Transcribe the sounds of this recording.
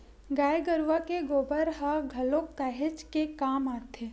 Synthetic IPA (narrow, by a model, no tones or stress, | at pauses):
ɡaːjɡəɾʋakeɡoːbəɾɦaɡʱɐlokt̪aːɦet͡ʃkekaːmaːt̪ʰeː